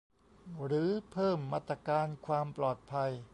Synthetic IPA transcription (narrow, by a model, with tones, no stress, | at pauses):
ɾɯː˩˦pʰɤː˥˩mːaː˥˩t̪ɾa˧kaː˧nkʰwaː˧mplɔː˨˩t̪̚pʰa˧j